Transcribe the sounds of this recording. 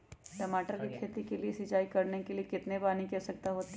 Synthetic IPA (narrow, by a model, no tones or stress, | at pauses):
ʈɐmaːʈəɾkikʰeːt̪ikeliesɪd͡ʒaːikɐɾnekeliekɪt̪nebaːnikɛsɐk̚t̪aɦoːt̪